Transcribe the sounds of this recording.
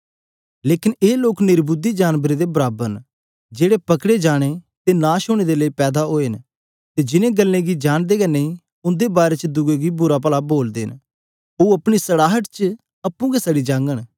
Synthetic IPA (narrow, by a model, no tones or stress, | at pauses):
leːkɪneːloːknɪɾbʊd̪id͡ʒaːnbəɾed̪ebəɾaːbən | d͡ʒeːɽepɐkɽed͡ʒaːɽ̃et̪enãːʃʊːɽ̃ed̪eləipɛːd̪aɦoːen | t̪ed͡ʒɪnẽɡəlːẽːɡid͡ʒaːɽ̃d̪eːɡɛnẽĩː | ʊ̃nd̪ebaːɾet͡ʃəd̪ʊɡeɡibʊɾapəlaboːld̪ḛːn | oɐpɽ̃isəɽaːɦəʈt͡ʃə | ɐpːũɡesəɽid͡ʒãːŋɡəɽ̃